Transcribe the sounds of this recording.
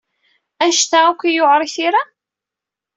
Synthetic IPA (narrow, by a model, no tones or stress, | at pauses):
æʃt̪akʷːijoʕɾˤiθiɾa